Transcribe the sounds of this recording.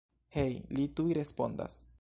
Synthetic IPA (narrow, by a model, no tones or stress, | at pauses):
he̞jlitujɾe̞spo̞̰nda̰s